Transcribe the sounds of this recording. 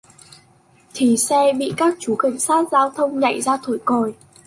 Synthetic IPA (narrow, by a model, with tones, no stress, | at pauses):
t̪ʰi˨˩sɛ˧ɓḭ˧˨kaː˦˥k̚t͡ɕu˨˦ka˧˩jŋ̟saː˦˥t̚zaː˧wt̪ʰə˧wŋ͡mɲa̰˧˨jzaː˧t̪ʰu˧˩jko˨˩j